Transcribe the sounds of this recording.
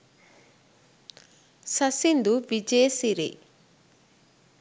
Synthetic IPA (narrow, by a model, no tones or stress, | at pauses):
sɐsind̪uʋid͡ʒeːsiɾḛ